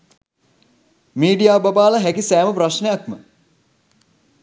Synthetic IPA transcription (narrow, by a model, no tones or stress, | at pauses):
miːɖijaːbabaːləɦækisæːməpraʃnejakmə